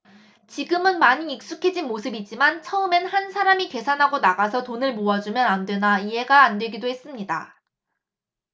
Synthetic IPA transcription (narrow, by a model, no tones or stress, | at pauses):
t͡ɕiɡɯmɯnmaɲiːk̚s͈ukʰe̞d͡ʑinmosʰɯbid͡ʑimant͡ɕʰʌɯme̞nhansʰaɾamike̞sʰanɦaɡonaɡasʰʌtonɯɭmoad͡ʑumjʌnandwe̞naiɦe̞ɡaːndwe̞ɡidoɦes͈ɯmɲida